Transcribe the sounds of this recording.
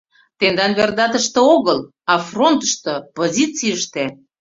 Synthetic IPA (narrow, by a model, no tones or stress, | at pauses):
t̪end̪ɑnβerd̪ɑt̪əʃt̪ĕoɣəl | ɑfront̪ə̥ʃt̪ɤ̆pozʲit͡siəʃt̪e